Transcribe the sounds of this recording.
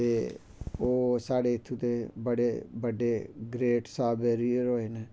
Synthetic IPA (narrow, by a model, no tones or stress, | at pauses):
t̪eː | oːsaːɽeːɪt̪ʰːut̪ebəɽeːbəɖeɡɾeːʈsaːbeːɾijəɾoːeːneː